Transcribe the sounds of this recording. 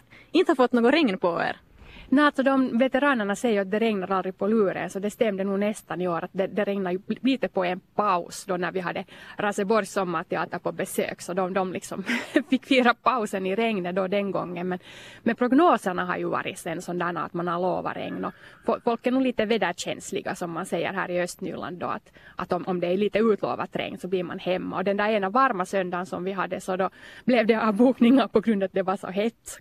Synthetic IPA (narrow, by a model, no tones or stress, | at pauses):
ɪnt̪əhaɾfɔt̪ːnoːɡɔɾɛŋnpɔḛːɾ | nɛalt̪sɔd̪ɔmvɛt̪ɛɾɑːnəɳasɛjːəɾat̪̚d̪ɛɾɛŋnaɾald̪ɾɪɡ̚pʰɔlʉːɾə̰nsɔd̪ɛst̪ɛmːd̪ənuːnɛst̪anɪoːɾat̪̚d̪ɛd̪ɛɾɛŋnajʉliːt̪əpɔɛnpɑʊsd̪ɔnæɾʋɪɦɑd̪ːəɾɑsəbɔɾjsɔmːəɾt̪ʰɛɑ̰ːt̪əɾpɔbɛsø̰ːksɔd̪ɔmd̪ɔmlɪksɔmfɪkːfiːɾapaʊsənɪɾɛŋnəd̪ɔd̪ɛnɡɔ̰ŋːənmɛnmɛpʰɾʊɡnoːsəɳaɦɑ̰ɾjʉvɑ̰ːɾɪt̪sɛnsɔnd̪æːna̰ːt̪manhaɾloːva̰ɾɛ̰ŋnɔfɔfɔlkæɳuːliːt̪əved̪æɕɛ̰nslɪ̰ɡasɔmːansɛjːə̰ɾɦæ̰ːɾɪœst̪ny̰ːɭa̰nd̪d̪ɔ̰a̰t̪ʔat̪ɔmʔɔmd̪ɛæliːt̪əʉːt̪lo̰ːʋa̰t̪ɾɛ̰ŋnsɔbliːɾma̰nhɛmːa̰ɔd̪ɛnd̪æɾeːnavɑɾmasœnd̪ansɔmvɪɦad̪ːəsɔd̪ɔblɛvd̪ɛɑbuːknɪŋːapɔɡɾʉnd̪at̪̚d̪ɛvɑʂɔ̰ɦɛt̪ː